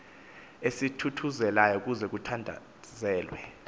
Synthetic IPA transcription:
esitʰutʰuzɛlajɔuk̬ʼuzɛk̬utʰandʱa̰ | zɛːlwɛ̰

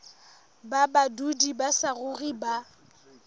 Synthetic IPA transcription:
babadudibasaɣʊɣiba

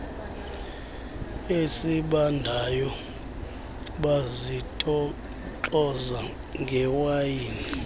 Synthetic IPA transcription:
esiɓandʱajɔ | ɓazitʼ | t͡ɬʼɔza | ŋɡʱɛwajiːni

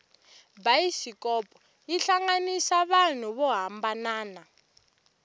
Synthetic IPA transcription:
bajisikɔpʼɔ | iɬaŋɡanisaβan̤uβɔɦambanaːna

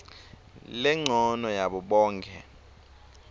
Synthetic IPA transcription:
lɛŋ͡ǀʱɔnɔjaɓɔɓɔːŋkʰʼɛ̰

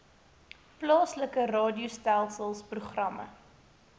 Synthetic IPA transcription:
plɑːsləkərɑːdiustælˠsəlˠspruχrɐmə̰

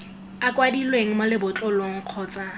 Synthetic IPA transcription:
akʼwadilweŋ̩malɪbʊt͡ɬʼɔloŋ̩q͡χʰɔːt͡sʼa

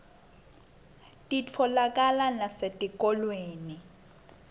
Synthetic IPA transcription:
tʼit͡fʰɔlakʼalanasetʼikʼɔlweːni

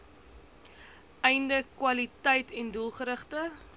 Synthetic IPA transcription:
ɛjndəkwɐlitəjtɛndulˠχəɾəχtə

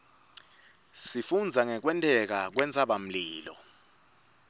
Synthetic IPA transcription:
sifund͡zʱaŋɛk̬wɛntʼɛk̬ak̬wɛnt͡sʼaɓam̩liːlɔ̰

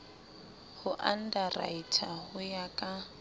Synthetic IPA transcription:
hʊʔan̩dara̰itʰahʊjakʼa

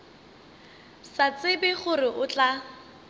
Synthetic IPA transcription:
sat͡sʼɪbɪχʊrɪʔʊt͡ɬʼa

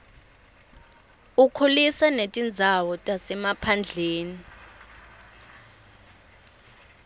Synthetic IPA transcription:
ukʰolisanetʼind͡zʱawɔtʼasɛmapʰand͡ɮʱeːni

